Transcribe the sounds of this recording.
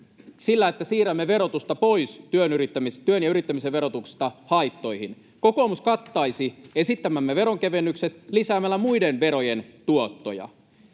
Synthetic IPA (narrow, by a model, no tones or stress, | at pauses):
silːæet̪ːæsiːɾæmːeʋe̞ɾo̞t̪ust̪ɑpo̞ist̪yønyrit̪ːæmist̪yønjɑyɾit̪ːæmiseʋʋe̞ɾot̪uksi̥st̪ɑhɑit̪ːo̞jhin | ko̞ko̞ːmuskɑt̪ːɑisie̞sit̪ːæmæmːeʋe̞ɾoŋkeʋenːykse̞t̪lisæːmælːæmuidenʋe̞ɾo̞jent̪uot̪ːojɑ̰